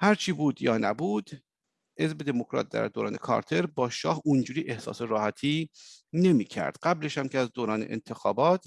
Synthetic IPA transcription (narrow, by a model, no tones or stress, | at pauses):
hæɾt͡ʃʰiːbuːd̪jɒːnæbuːd̪̥ | ʔe̞zbe̞d̪e̞mokʰɾɒ̰ːt̪̚d̪æ̰ɾd̪oːɾɒ̰ːne̞̰kʰɒ̰ːɾt̪ʰe̞ɾbɒːʃɒːhund͡ʒuːɾiːʔe̞hsɒ̰ːseɾɒːhæt̪ʰiːne̞miːcʰæ̰ɾd̪̥ɢæble̞ʃhæmcʲʰeæzd̪oːɾɒːnḛʔḛnt̪ʰe̞xɒːbɒːt̪ʰ